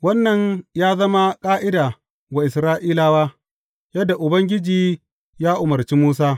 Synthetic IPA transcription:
wɐ˦nːɐ˨ɲjaː˦zɐ˦ma˦kʼaː˦ʔɪ˦daː˨ | wa˨ʔɪ˨sɾaː˦ʔiː˦laː˦waː˦ | jɐ˦dːa˨ʔʊ˨bɐ˦ŋɡʲɪ˦d͡ʒiː˨ | jaː˦ʔʊ˨mɐ˨ɾt͡ʃiː˦muː˦s̬aː˦

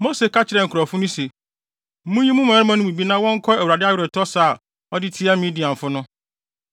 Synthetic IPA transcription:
mo˦se˨kʰa˦t͡ɕʰɪ˨ɾɛ˨ŋ̩˨kʰʊ˨ɾɔ˨fʊ˦nʊ̃˦se˨˦ | mũ˦jĩ˦mũ˦m̃˨˦ɾɪ˦mã˦nʊ̃˦mũ˨bi˦nã˦wɔ̃˦ŋ̩˦kʰɔ˦ɛ˨wu˨ɾa˨dɪ˦a˦ɥɪ˨ɾɪ˨tʰɔ˦sa˦˨ | ɔ˦dɪ˦tʰɪ˦ɛ˦mĩ˦di˨ã˨ɱ˨fʊ˦nʊ̃˦

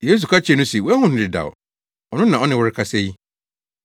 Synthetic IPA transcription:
jeː˦s̬u˨kʰa˦t͡ɕʰɛ˨nʊ̃˦se˨wɛ˦hʊ̃˦nɪ̃˨dɪ˨da̰˨w | ɔ˨nʊ̃˦nã˨ɔ˦nɪ̃˦wʊ˦ɾɪ˦kʰa˦sɛ˦ji˦

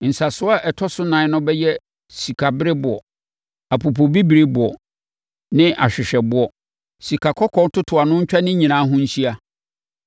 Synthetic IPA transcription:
n̩˨sa˨sʊ˦a˦ʔɛ˨tʰɔ˦sʊ˦nã˨˦nʊ̃˦bɛ˦jɛ˦ | si˨kʰa˨bɪ˦ɾɪ˦bʊ˨ɔ̰˨ | a˨pʰu˨p̬ʰo˨bi˦bi˨ɾe˦bʊ˨ɔ˨ | nɪ̃˦ʔa̰˨ɕᶣɪ˨ɕᶣɛ˨bʊ˦ɔ˦ | si˨kʰa˨kʰɔ˦kʰɔ̃˦tʰʊ˦tʰʊ˨a˨nʊ̃˦ɲ̩˦t͡ɕᶣa˦nɪ̃˦ɲĩ˨nãː˨˦ɦʊ̃˦ɲ̩˦ɕi˦a˦

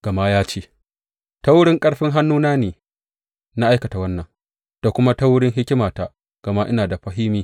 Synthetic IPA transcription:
ɡ̥ɐ˨ma˦jaː˦t͡ʃeː˦ | ta˦wʊ˦ɽɪ˦ŋkʼɐ˦ɽɸɪ˦ŋɦa˦nːuː˦naː˦neː˨ | na˦ʔa˦jkɐ˨ta˨wɐ˦nːɐ˨ŋ | d̥a˨kʷʊ˦ma˦ta˦wʊ˦ɽɪ˦ŋɦɪ˦kʲɪ˦maː˨ta˦ | ɡ̥ɐ˨ma˦ʔɪ˦naː˨da˨ɸɐ˦ɦɪ˦miː˦

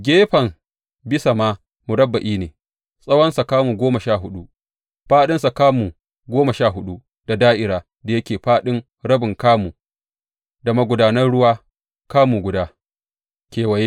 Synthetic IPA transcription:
ɡʲeː˦ɸɐ˨m | bɪ˦sa˨maː˦ | mu˨ɽɐ˦bːa˨ʔiː˦neː˨ | sʼɐ˦wɐ˦nsa˨kaː˦muː˨ɡʷoː˦mɐ˨ʃaː˦˨ɦʊ˦ɗu˦ | ɸaː˦ɗɪ˦nsa˨kaː˦mu˨ | ɡʷoː˦ma˨ʃaː˦˨ɦʊ˦ɗu˦ | da˨daː˦ʔɪ˨ɾaː˨ | da˨jɐ˦kʲeː˨ɸaː˦ɗɪ˦ŋ | ɽɐ˦bɪ˨ŋkaː˦muː˨ | da˨mɐ˦ɡʷʊ˨daː˨nɐ˦rɽʊ˦waː˦ | kaː˦mu˨ɡʷʊ˨daː˦ | kʲeː˨wɐ˨je˦

